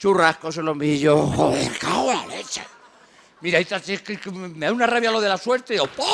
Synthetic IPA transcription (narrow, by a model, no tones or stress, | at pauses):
t͡ʃurahkoselomiʎooḛɾkawalḛt͡ʃa̰ | miɾait̪at̪ekekmeaunaraβjaloðelasweɾt̪eopo